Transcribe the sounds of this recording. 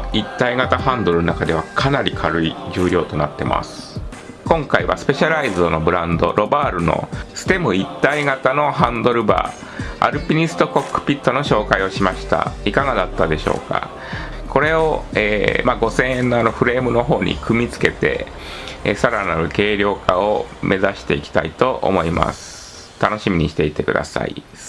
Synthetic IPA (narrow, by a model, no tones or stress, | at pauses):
it̪ːaiɡat̪aɦãnd̪o̞ɾɯnonakad̪e̞β̞akʰanaɾʲikʰaɾɯ̟id͡ʑɨːɾʲo̞ːt̪o̞nat̪ːe̞̰mʔa̰sɨ̥ | kõ̞ŋkaiβa̰sɨ̥pe̞ɕaɾaizɨono̞bɯ̟ɾãnd̪o̞ɾʔo̞baːɾɯ̟no̰sɨ̥t̪e̞mɯ̟it̪ːaiɡat̪ano̞ɦãnd̪o̞ɾɯ̟ba̰ː | a̰ɾɯ̟pʲiɲ̟isɨ̥t̪o̞ko̞kːɯ̟̥pʲit̪ːo̞no̞ɕo̞ːkaio̞ɕimaɕi̥t̪a̰ikaɡad̪at̪ːad̪e̞ɕo̞̰ːka̰ | ko̞ɾe̞oḛːmaːɡo̞sẽ̞ɰ̃ẽnːoano̞ɸɯ̟ɾe̞ːmɯ̟no̞ɦo̞ːɲ̟ḭkɯ̟mʲit͡sɨ̥ke̞t̪e̞̰ | saɾanaɾɯ̟ke̞ːɾʲjo̞ːkaomʔe̞zaɕi̥t̪e̞ikʲi̥t̪ait̪o̞ʔo̰mo̞ima̰sɨ̥ | t̪ano̞ɕimʲiɲ̟iɕi̥t̪e̞it̪e̞kɯ̟d̪a̰sa̰ḭ